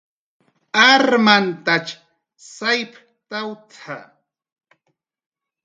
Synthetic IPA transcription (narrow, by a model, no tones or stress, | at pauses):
aɾmant̪at͡ʃ | sajp | t̪awt̪ʰa̰